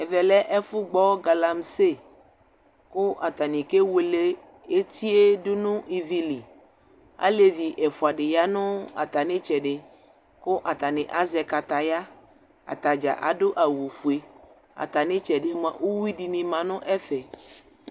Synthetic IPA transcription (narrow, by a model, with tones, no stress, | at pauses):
ɛ˨vɛ˨lɛ˦ʔɛ˦fu˦ɡ͡bɔ˦ɡa˨la˨mse˦˨ | ko˦ʔa˨t̪a˨nĩ˨ke˦we˨le˦ | e˦t̪i˦e˦du˦nũ˦ʔi˨vi˨li˨ | a̰˦le˨vi˨ʔɛ˨fu˨a˨ɖe˨ja˦nũ˦a̰˨t̪a˨nẽ˦t͡ʃɛ˨ɖe˨ | ko˦ʔa˨t̪a˨nẽ˨ʔa˦zɛ˨ka˨t̪a˨ja˦ | a̰˨t̪a˨d͡ʒa̰˨ʔa̰˨ɖo˦ʔa˨wu˨fu˨e˨ | a̰˨t̪a˨nẽ˦t͡ʃɛ˨ɖe˦mã̰˨wu˦wi˦ɖi˨nĩ˨mã˨nʊ̃˦ʔɛ˦fɛ˨